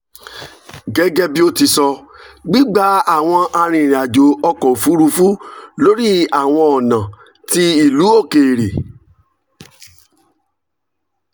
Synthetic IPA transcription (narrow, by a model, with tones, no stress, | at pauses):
ɡɛ˨˦ɡɛ˦bi˦o˦ti˧sɔ˧ | ɡ͡bi˦ɡ͡ba˨˦a˦˨w̃ɔ̃˧a˧ɾ̃ĩ˧˨ɾa˨d͡ʒo˨ɔ˧kɔ˨fu˨˦ɾu˧fu˦lo˦ɾi˦a˨w̃ɔ̃˧ɔ˨nã˨ | ti˧i˨lu˨˦o˦˨ke˨ɾe˨